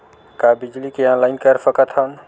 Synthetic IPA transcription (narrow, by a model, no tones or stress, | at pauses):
kabid͡ʒlikeãlaɪnkəɾsəkət̪ʰən